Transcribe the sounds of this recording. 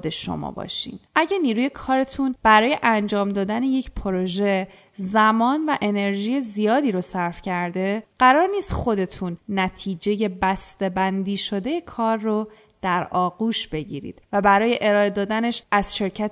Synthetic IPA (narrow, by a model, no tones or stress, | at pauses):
d̪e̞ʃo̞̰mɒ̰bɒ̰ːʃḭːnʔæɟæniːɾuːje̞kʰɒːɾe̞t̪ʰunb̥æɾɒːje̞ʔænd͡ʒɒːmd̪ɒːd̪æne̞je̞cpʰoɾoʒe | zæmɒːnvæʔe̞ne̞ɾʒiːje̞zijɒːd̪iːɾosæɾfcʰæɾd̪e̞ɢ̥æɾɒːɾniːst̪xo̞d̪e̞t̪ʰunːæt̪ʰiːd͡ʒe̞je̞bæst̪e̞bænd̪iːʃo̞d̪eje̞kʰɒːɾrːo | d̪̥æɾɒːɣuːʃb̥e̞ɟḭːɾḭːd̪̥væbæɾɒːje̞ʔe̞ɾɒːe̞d̪ɒːd̪æne̞ʃʔæz̥ʃe̞ɾcʰæt̪